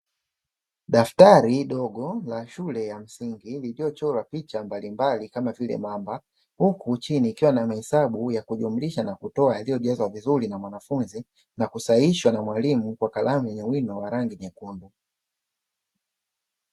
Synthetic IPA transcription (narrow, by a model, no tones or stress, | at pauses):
ɗaftaɾiɗɔɠɔlaʃulɛjam̩siŋɡililijɔt͡ʃɔɾwapit͡ʃambalimbalikamavilɛ̰mamba | hukut͡ʃiniːkiwanamahɛsaɓujakuʄum̩liʃanakutɔajalijɔʄazwavizuɾinamwanafunzi | nakusaiʃwanamwalimukwakalamujɛɲɛwinɔwaɾaŋɡiɲɛkunbu